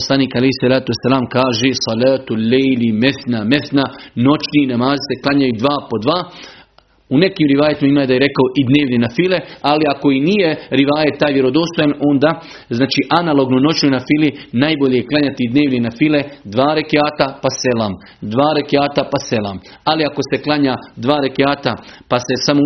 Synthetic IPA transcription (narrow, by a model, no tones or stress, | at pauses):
poslˠaniːkalejhsalaːt̪uesalaːmkaːʒesɑlaːt̪ulːejlimeθnameθnano̞t͡ʃniːnamaːzise̞klˠaɲajud̪ʋaːpo̞d̪ʋaː | une̞kiːmɾiʋaːjat̪imaimaːjd̪ajeɾe̞kaoʔid̪neːʋnenafile̞aliako̞iniːje̞ɾiʋaːjet̪ːaːjʋjeɾo̞d̪o̞ːst̪o̞jano̞nd̪aː | znaːt͡ʃiʔanalˠo̞ɡnono̞t͡ʃnojnafilinaːjboʎejeklˠaɲat̪iid̪neːʋninafiled̪ʋaːɾe̞keaːt̪apasela̰m | d̪ʋaːɾekeaːt̪apase̞lˠa̰m | aliako̞se̞klˠaɲaːd̪ʋaːɾe̞keaːt̪apase̞samo